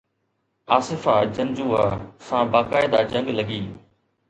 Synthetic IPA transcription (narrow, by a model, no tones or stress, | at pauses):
aːsɪfaːd͡ʒə̃nd͡ʒuːɦasãːbaːkaːɪd̪aːd͡ʒə̃ŋɡləɡiː